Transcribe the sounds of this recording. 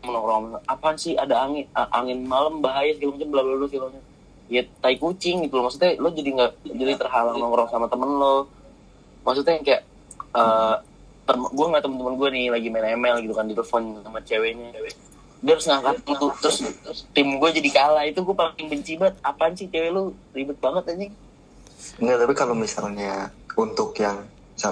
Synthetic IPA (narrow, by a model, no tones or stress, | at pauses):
mənɔkɾɔŋmaapaaɲsɪadaaŋɪnəʔaŋɪnmaləmbaɦajasəkalamat͡ʃəmbəlablalɔfiloɲa | jat̪aikut͡ʃɪŋɡit̪ulɔmaksut̪ɛlɔd͡ʒadiŋɡaʔd͡ʒadit̪ərɦalaŋnɔŋɾɔŋsamat̪əmənlɔ | maks̬ut̪ɛjaŋkajaʔ | əː | t̪əmɡuaŋɡaʔt̪əmənt̪əmənɡuanɪlaɡimanɛmɛlɡit̪ukandt̪ɛləfɔnamat͡ʃewɛɲat͡ʃewɛ | diaɾʊsŋaŋkat̪aŋt̪ut̪ɾʊst̪t̪ɪmɡuad͡ʒadikalait̪uɡuapaɪŋbəɲt͡ʃibat̪̚apaɲsit͡ʃewɛlolibʊt̪̚baŋət̪ad͡ʒiŋ | ŋɡat̪apikalomisa̰lɲa | unt̪ʊkjaŋ | misa